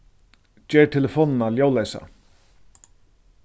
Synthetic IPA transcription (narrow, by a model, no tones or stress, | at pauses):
d͡ʒɛːʈʰɛləfoːnnaljoːwlɛːsa̰